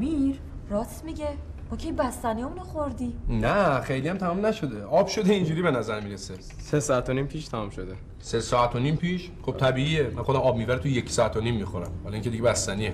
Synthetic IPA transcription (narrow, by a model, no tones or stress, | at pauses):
miɾ | ɾɒsmiɟemɒːcʰejbæst̪æniemunoxoɾd̪inæxejlijæmt̪ʰæmumnæʃo̞d̪eʔɒːb̥ʃo̞d̪eind͡ʒuːɾibenæzæɾmiːɾese | sesɒːæt̪ʰonimpʰiːʃt̪ʰæmumʃod̪e | sesɒːæt̪ʰoniːmpʰiːʃ | χob̚t̪ʰæbiːiemænxod̪æmɒːb̚miːbæɾet̪ʰujecʰsɒːæt̪ʰonimːixoɾæ̰mhɒːliŋkʰced̪iɟebæst̪ænie